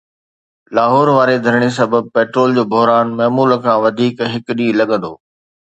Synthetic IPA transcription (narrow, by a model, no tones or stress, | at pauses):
laːɦɔːɾʋaːɾed̪ʱɐɾɪɽ̃es̬ɐbəb̚peːʈɾoːld͡ʑoːbʱʊɦɾaːnmɐːmuːləkʰãːʋɐd̪ʱiːkɦɪkɗĩːlɐɠə̃nd̪oː